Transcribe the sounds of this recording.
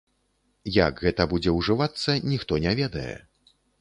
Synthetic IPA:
ja̰kɣɛt̪ɐbud͡zʲɛwʐɨvat̪sːɐnʲixt̪ɔnʲɛvʲɛd̪ɐjɛ̰

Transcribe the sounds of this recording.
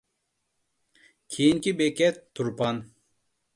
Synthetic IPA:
kʰinkibeket̪ʰːuɾpan

